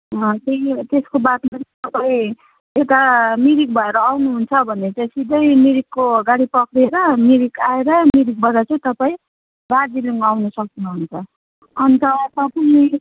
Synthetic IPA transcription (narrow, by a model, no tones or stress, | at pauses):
ʌt̪eĩt̪eskobat̪maɾit̪ʌpaĩ | ewt̪amiɾik̚bʱʌeɾʌːwnuɦunt͡sʰʌbʱʌnːet͡sʌ̃sid̪ʱʌjmiɾikːoɡaɽipʌkɾeɾʌmiɾikaeɾʌmiɾik̚bʱʌdat͡sãt̪ʌpaĩ | bad͡ziliŋawnʌsʌk̚d̪inuɦunt͡sʰʌ | ʌnt̪ʌt̪ʌpʌni